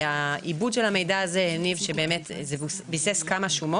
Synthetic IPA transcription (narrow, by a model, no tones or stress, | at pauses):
aʔibudʃelame̞jdaazeenivʃebe̞eːme̞tzebsbiseskamaʃumo